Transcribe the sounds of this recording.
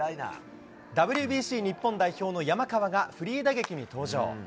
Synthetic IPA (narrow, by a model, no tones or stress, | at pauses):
a̰ | d̪abɯ̟ɾʲɯ̟bʲiːɕiːɲ̟ipːõ̞nd̪aiço̞ːno̞jamakaβaɡaɸɯ̟ɾʲiːd̪aɡe̞kʲiɲ̟it̪o̞ːʑo̰ː